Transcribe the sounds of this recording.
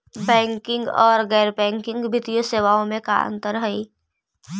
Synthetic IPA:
bɛ̃ːŋkɪ̃ŋɡɔ̰ːɾɣɛːɾbɛ̃ːŋkɪ̃ŋɡbʱɪt̪ijoseːʋaːõmẽka̰ə̰̃nt̪əɾɦəiː

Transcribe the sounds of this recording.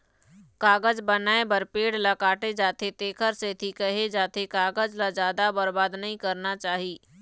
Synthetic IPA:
kaːɡəd͡ʒbənaːebəɾpeːɽlakaːʈed͡ʒaːt̪ʰet̪eːkʰəɾset̪ʰikəɦed͡ʒaːt̪ʰekaːɡəd͡ʒlad͡ʒjaːd̪abəɾbaːd̪nɐɦĩkɐɾnat͡ʃaːɦiː

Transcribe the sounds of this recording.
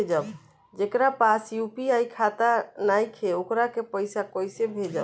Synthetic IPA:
d͡ʒəb | d͡ʒekɾapasjupiaikʰat̪anajkʰeokɾakepəjsakɔjsebʱed͡ʒəb

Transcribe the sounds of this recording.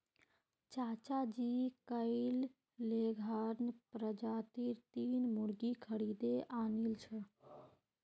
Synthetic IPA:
t͡ʃaːt͡ʃad͡ʒikəɪlː | eɡʱəɾnpɾəd͡ʒat̪iɾt̪iːnmuɾɡikʰəɽid̪eʔaːnilt͡ʃʰə

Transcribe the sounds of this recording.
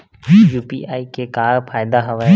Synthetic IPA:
juːpiːʔaːikekaːɾpʰaːɪd̪aɦəʋə

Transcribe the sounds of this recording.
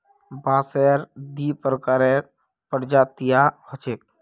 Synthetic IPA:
baːsɛɾd̪ipəɾəkaɾɛ | pəɾd͡ʒat̪ijahət͡ʃek̚

